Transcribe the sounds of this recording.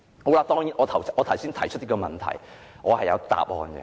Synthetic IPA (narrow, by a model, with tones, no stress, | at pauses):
ho˨˥wla˧t̪ɔː˥ŋjiː˨˩nʔɔː˨˧t̪ʰɐ˨˩wsʔɔː˨˧t̪ʰɐ˨˩wsiː˥nt̪ʰɐ˨˩jt͡ʃʰt̪̚ːi˥kɔː˧mɐ˨nt̪ʰɐ̰˨˩jŋɔː˨˧hɐ˨jɐ̰˨˧wt̪a̰ː˨p̚hɔ̰ː˧nɡɛ̰˧